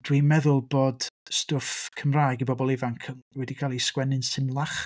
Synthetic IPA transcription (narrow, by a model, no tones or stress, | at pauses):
d̥wiːmɛðʊlˠboːdstʊfkʰəmraːjɡibɔbɔlˠɪvaŋkʰənwɛdikʰaːlˠiskwɛnɪnsɪmlˠaχ